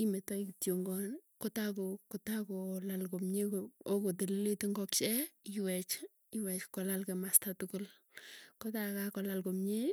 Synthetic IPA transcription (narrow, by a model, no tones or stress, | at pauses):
imetɔikitjoŋɡɔnkotakokotakolalkomɲekookot̬elileteŋɡɔk̚t͡ʃɛiwɛt͡ʃ | iwɛt͡ʃkɔlalkemastatʊkʊl | kɔtakakɔlalkomɲe